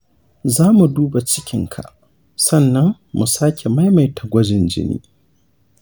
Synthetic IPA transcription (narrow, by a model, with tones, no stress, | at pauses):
zaː˦mu˨duː˦ba˨t͡ʃɪ˦kʲɪ˦ŋkʰa̰˨ʔ | sɐ˦˨nːɐ˦ŋ | mu˨saː˦kʲʰe˨ma˦jma˨jtʰa˨ɡʷɔ˦d͡ʒɪ˨nd͡ʒɪ̰˦nḭː˦